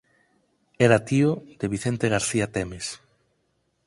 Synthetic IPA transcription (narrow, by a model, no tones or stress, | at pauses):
ɛɾat̪iod̪̥eβiθent̪eɣaɾθiat̪ɛmes